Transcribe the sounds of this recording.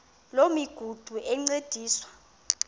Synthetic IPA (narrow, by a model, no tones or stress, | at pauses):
lomiɡ̥ʱud̥ʱuʔɛŋ͡ǀed̥ʱiːswḁ